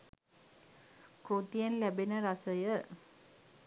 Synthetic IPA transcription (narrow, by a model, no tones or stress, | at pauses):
koːt̪ijɐnlæbenɐɾɐsɐjə